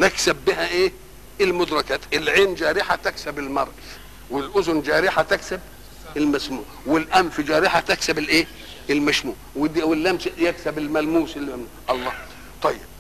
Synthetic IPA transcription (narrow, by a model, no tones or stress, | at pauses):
nɪksæbːɪɦæʔeː | ɪlmʊd̪ɾˤɑkæːt̪ʔɪlʕeːnd͡ʒæːɾɪħat̪æksæbɪlmɑɾˤʔɪz | wɪlʔʊzʊnd͡ʒæːɾiħat̪æksæb̚ | ɪlmæsmṵːʕwɪlʔæmfid͡ʒæːɾiħat̪æksæbɪlʔeː | ɪlmæʃmuːʕwɪd̪wɪlːæmsjæksæbɪlmælmuːsɪlːmæmn | ʔɑlˤːɑː | t̪ˤɑjːɪb̚